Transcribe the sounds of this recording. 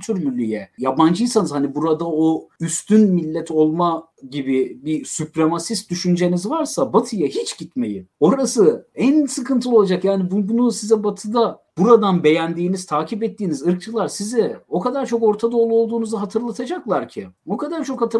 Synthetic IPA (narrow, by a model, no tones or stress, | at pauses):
t̪ʰyɾmylʲːyjɛjaband͡ʒɯjsanɯz̥hanibuɾad̪aoyst̪ʰynmilʲːɛt̪ʰo̞lˠma | ɟibibisypɾemasist̪̚d̪yʃynd͡ʒe̞nizvaɾsabat̪ʰɯjaɦit͡ʃɟ̥it̪me̞̰jio̞ɾasɯænsɯkɯnt̪ʰɯlˠo̞lˠad͡ʒakjaːnibubunusizɛbat̪ʰɯd̪ab̥uɾad̪anbe̞jænd̪iːniz̥t̪ʰaːcʰipɛt̪ːiːnizɯɾk̚t͡ʃʰɯlˠaɾsizɛo̞kʰad̪aɾt͡ʃʰo̞ko̞ɾt̪ʰad̪olˠuolˠd̪uːnuzaɦat̪ʰɯɾlˠat̪ʰad͡ʒaklˠaɾcʰɪokʰad̪aɾt͡ʃʰo̞khat̪ʰɯ